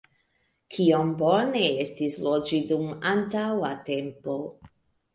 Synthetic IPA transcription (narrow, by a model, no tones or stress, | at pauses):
kʰiombone̞estislod͡ʒidumantawate̞mpo